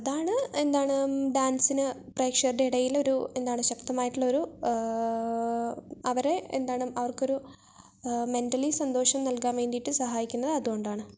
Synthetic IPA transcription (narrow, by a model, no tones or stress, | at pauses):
ɐðaːɳɨe̞nd̪aːɳɨɖaːnsinɨpreːkʂɐrɖeiɽɐjilo̞ɾue̞nd̪aːɳɨɕɐkt̪ɐmaːjiʈːiɭːɐoɾu | ɐʋɐɾe̞ḛnd̪aːɳɨɐʋɐrko̞ɾu | me̞nʈɐlisɐnd̪o̞ːʂɐmnɐlkaːnʋe̞ːɳɖiʈːɨsɐɦaːjikʲːunːɐðɨɐðuɣo̞ɳɖaːɳɨ